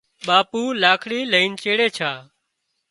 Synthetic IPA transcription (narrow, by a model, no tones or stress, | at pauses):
ɓaːpuːlaːkʰɽiːləiːnt͡ʃeːɽeːt͡ʃʰaː